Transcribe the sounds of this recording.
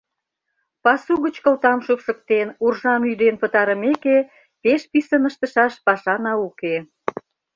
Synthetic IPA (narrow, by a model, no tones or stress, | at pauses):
pɑsuɣət͡ɕkəlt̪ɑmʃukʃə̆k̚t̪enurʒɑmyd̪enpət̪ɑɾə̆meke | peʃpisənəʃt̪ə̆ʃɑʃpɑʃɑnɑuke